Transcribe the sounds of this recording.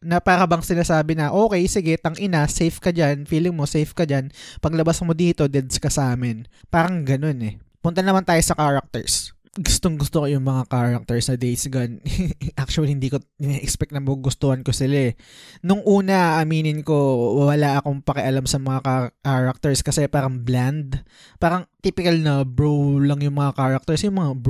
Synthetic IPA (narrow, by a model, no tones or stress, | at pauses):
nɐpaːɾɐbɐŋsɪnaːsaːbɪnɐʔo̞ːkɛjsɪɡɛt̪ɐŋʔɪnasɛjfkɐd͡ʒanfiːlɪŋmosɛjfkɐd͡ʒanpɐɡlɐbasmod̪iːt̪o̞d̪ɛd̪skɐsaːmɪnpaːɾɐŋɡɐno̞nɛpʊnt̪ɐnɐmant̪aːjosɐkaːɹɐk̚t̪ɛ̰ɹs | ɡʊst̪oŋɡʊst̪okojʊŋmɐŋakaːɹɐk̚t̪ɛɹsnɐd̪ejsɐɡanʔak̚t͡ʃuɐlihɪnd̪iːko̞ɪnɛʔɛkspɛk̚t̪nɐmoɡʊst̪ohɐnkosɪlaʔɛnʊŋʔuːnɐʔɐmiːnɪnko̞wwɐlaʔɐko̞ŋpɐkɛʔɐlamsɐmɐŋakakaɹɐk̚t̪ɛɹskɐsɛpaːɾɐŋbland̪ | paːɾɐŋt̪iːpɪkɐlnɐbɹowlɐŋjʊŋmɐŋakaːɹɐk̚t̪ɛɹsjʊŋmɐŋab